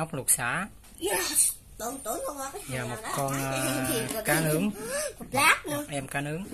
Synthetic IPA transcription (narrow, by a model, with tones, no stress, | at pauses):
wk͡p̚lu˨˩k̚sa̰ː˧˥ | t̪o˧˦t̪o˨˦ə˧a˧aː˨˩mo˨˩kɔ˧nʔəː˧˨˩kaː˨˦nɨ˨˦əŋm˨˩t̚laː˦˥k̚nɨ˧˨˧ʔɛ˧mkaː˨˦nɨ˨˦əŋ